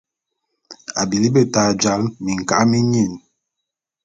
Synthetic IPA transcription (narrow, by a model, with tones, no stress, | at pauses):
a̰˨bi˨li˦bə˦taː˨d͡ʒa˨˦lmi˨ŋ̩˨ka˦ʔmi˦ɲi˦˨n